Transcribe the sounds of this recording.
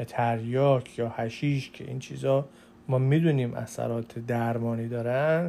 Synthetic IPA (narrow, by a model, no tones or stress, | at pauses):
et̪ʰæɾjɒːcʰjɒːhæʃiːʃcʰeʔint͡ʃʰḭːzɒː | mɒːmid̪uniːmʔæ̰sæ̰ɾɒːt̪ʰed̪æɾmɒːniːd̪ɒːɾæn